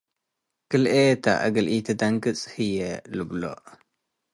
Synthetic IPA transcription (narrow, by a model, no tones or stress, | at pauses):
kɨlʔet̪ʰa̰ʔa̰ɡɐlʔit̪ʰɨd̪aŋkɨt͡sʼhɨjɛlɨblo̰ʔ